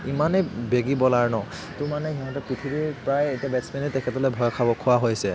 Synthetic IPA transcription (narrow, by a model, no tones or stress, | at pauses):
imanebeɡibɔlaɹnɔ | tʊmanɛɦiɦɔ̃ntɔpɹit̪ʰibiɹpɹajetiabɛtsmɛnitɛkʰɛtɔlɔjbʱɔjɔkʰabɔkʰʊwaɦojsɛ